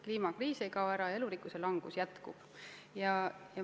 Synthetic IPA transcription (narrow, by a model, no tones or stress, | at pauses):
kliːmɑkriːsejkɑoæɾɑe̞luɾikːˑuse̞lɑŋɡ̥usjæt̪kub̥jɑjɑ